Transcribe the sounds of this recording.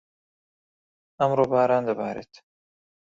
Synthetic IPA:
ɐmɾoːbaːɾaːnd̪ɐbaːɾḛːt̪

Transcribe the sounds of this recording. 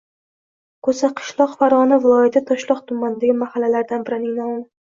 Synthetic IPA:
kʰɵsaqʰɨ̥ʃlˠɒqfaɾɒnɪvɪlˠɒjat̪ʰɪt̪ʰɒʃlˠɒqt̪ʰʊmːanɪd̪aɡʲɪmahalːalaɾd̪anbɪɾɪnɪnaʊn

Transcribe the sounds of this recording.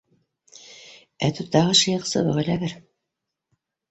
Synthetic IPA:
æ̰t̪ut̪ːɑʁɤʃɤ̆jɤqsɤ̰βɤʁɘ̆læβɘɾ

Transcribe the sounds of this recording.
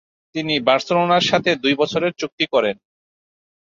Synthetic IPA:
t̪inibaɾselonaɾʃat̪ʰed̪ujbɔt͡ɕʰoɾeɾt͡ɕuk̚t̪ikɔɾen

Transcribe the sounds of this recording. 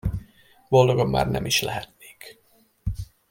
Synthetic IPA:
bo̞ld̪oɡomːa̰ːrnɛmiʃlɛɦɛt̪ne̥ːk

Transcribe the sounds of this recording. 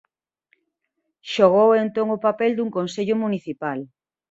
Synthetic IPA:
ʃoɣ̞owent̪oŋʊpapɛld̪uŋkonseʎʊmuniθipal

